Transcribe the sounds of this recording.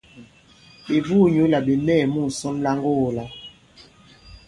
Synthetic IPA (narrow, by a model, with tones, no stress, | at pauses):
e˨vuː˦˨ɲo˨˦la˨ɓe˨mɛː˦˨mu˦˨sɔ˦mla˦ŋɡo˦˨la˨